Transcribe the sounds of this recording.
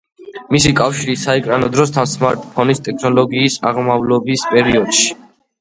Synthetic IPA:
misikʼafʃiɾisaɛkʼɾanɔd̪ɾɔst̪ʰansmaɾt̪ʼpʰɔnist̪ʼɛkʰnɔlɔɡiːsa̰ʁmavlɔbispʼɛɾiɔd̪̥ʃi̥

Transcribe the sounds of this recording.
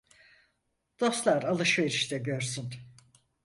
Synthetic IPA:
d̪̥o̞st̪lˠaɾalˠɯʃve̞ɾiʃt̪ɛɟøɾsyn

